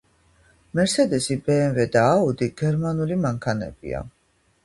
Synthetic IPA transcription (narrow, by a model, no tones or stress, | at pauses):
mɛɾsɛd̪ɛsibɛːnvɛd̪aːud̪iɡ̥ɛɾmanulimaŋkʰanɛ̰b̥ḭa̰